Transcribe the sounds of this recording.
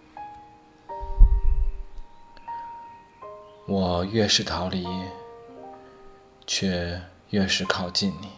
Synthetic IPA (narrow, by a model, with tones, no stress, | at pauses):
wɔ˨˩ɥɛ˥˧ʂɻ̩˥˩t̪ʰɑ˧˥ʊli˧˥ | t͡ɕʰɥɛ˥˧ | ɥɛ˥˩ʂɻ̩˧˥kʰɑ˥˩ʊt͡ɕi˥˩nni˨˩˦